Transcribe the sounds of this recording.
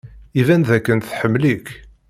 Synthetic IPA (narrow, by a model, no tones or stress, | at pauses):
ivænðækːənθħəmːlik